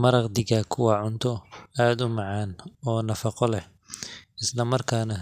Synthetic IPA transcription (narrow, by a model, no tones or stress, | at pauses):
mɐɾɑqd̪ɪɣɐkʰʊwɑːʕʊnt̪ʰɔaːd̪ʊmɑʕɑːnɔːnɐfɑqɔlɛh | ɪslɐmɐrkʰaːnɐ